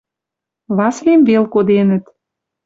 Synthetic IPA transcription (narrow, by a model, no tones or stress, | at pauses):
βɑslemvelkod̪enə̆t̪